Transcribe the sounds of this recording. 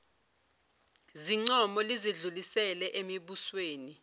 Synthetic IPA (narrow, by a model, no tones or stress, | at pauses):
ziŋ͡ǀɔmɔliziɮulisɛlɛʔemiɓusweːni